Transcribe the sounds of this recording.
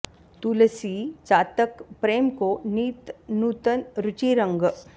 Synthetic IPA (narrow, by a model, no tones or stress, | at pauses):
t̪uləsit͡ʃaːt̪əkpɾeːmkoniːt̪nuːt̪ənɾʊt͡ʃiːɾə̃ŋɡ